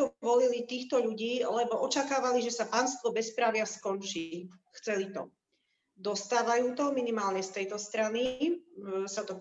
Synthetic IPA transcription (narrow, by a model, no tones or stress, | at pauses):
ɔʋɔlilit̪iːxt̪ɔʎuɟiːlɛbɔʔɔt͡ʃakaːʋaliʒɛsapaːnst̪ʋɔbɛspɾaʋɪaskɔnt͡ʃixt͡sɛlit̪ɔ̰ | d̪ɔst̪aːʋajuːt̪ɔminimaːlɲɛst̪ɛjt̪ɔst̪ɾani | sat̪ɔ